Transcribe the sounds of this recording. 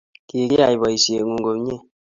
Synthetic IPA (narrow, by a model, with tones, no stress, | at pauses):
ki˨ɾi˦a˨i˨bɔ˨i˨sje˨ŋu˨ŋɡo˨m˦ɲe˦˨